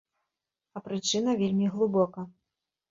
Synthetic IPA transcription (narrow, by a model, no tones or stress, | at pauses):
ɐpɾɨt͡ʂɨnɐvʲelʲmʲiɣlˠɨbɔkɐ